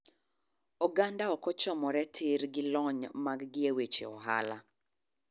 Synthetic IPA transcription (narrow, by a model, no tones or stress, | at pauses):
ɔɡandaɔkɔt͡ʃɔmɔɾɛtʰɪɾɡɪlɔɲmaɡɡɪewet͡ʃḛɔ̰ɦa̰la